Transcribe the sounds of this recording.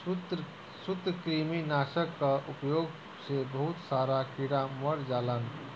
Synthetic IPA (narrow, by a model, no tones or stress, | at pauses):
t̪ | sut̪ɾəkɾiminaːsəkːaʔupjoːɡ | sebəɦut̪saːɾakiɽaməɾd͡ʒaːlan